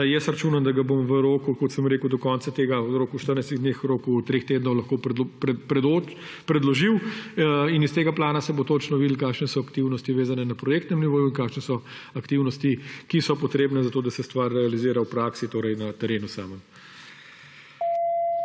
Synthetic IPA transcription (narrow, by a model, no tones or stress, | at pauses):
jɛsɾat͡ʃuːnand̪ɐɡabomʋəɾoːkukɔt̪səmɾeːkud̪ɔkɔnt̪sat̪eːɡaɾoːkuʃt̪əɾnajst̪iɣd̪neːxɾoːkut̪ɾeːxt̪eːd̪nɔwlɐxkoːppɛpɾɛd̪o | pɾɛd̪lɔʒiw | inist̪eːɡaplaːnasɛbot̪oːt͡ʃnɔʋid̪l̩kaːkʃnɛsɔakt̪iwnɔst̪iʋeːzanɛnapɾɔjeːk̚t̪nɛmniʋoːjuinkaːkʃnɛsɔ | akt̪iwnɔst̪ikisɔpɔt̪ɾeːbnɛzat̪oːd̪asɛst̪ʋaɾːɛaliziːɾawpɾaksit̪oːɾɛjnɐt̪ɛɾeːnusa̰ːmən